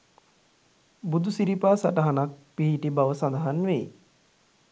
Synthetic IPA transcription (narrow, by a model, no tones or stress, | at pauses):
bud̪usiɾipaːsaʈəɦanak̚piɦiʈibaʋəsand̪əɦanʋej